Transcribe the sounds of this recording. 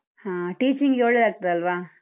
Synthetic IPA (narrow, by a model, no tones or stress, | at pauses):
hãːʈiːt͡ʃiŋɡjoːɭːed̪aːɡ̚t̪ɐd̪eɐlʋaː